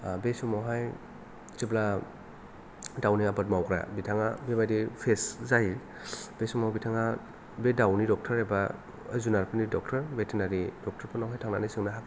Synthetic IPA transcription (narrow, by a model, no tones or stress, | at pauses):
besumawɦaj | t͡ʃebla | dawniabat̚mawkɾa̰bitʰaŋabebajdipʰeszaji | b̥esumawbitʰaŋa | bedawnidɔk̚tʰɐɾeba | zunaɾpʰɯnidɔk̚tʰɐɾbetʰenaɾidɔk̚tʰɐɾpʰɯnawɦajtʰaŋnanisɯŋnaɦak